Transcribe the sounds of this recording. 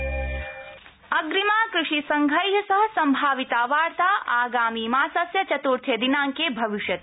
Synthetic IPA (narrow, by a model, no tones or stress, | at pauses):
ɐɡɾimaːkɾuʂisɐŋɡʱɐjɦɐsɐɦɐ̆sɐmbʱaːʋit̪aːʋaːɾt̪aːʔaːɡaːmiːmaːsɐsjɐt͡ʃɐt̪uɾt̪ʰjed̪inaːŋkeːbʱɐʋiʃjɐt̪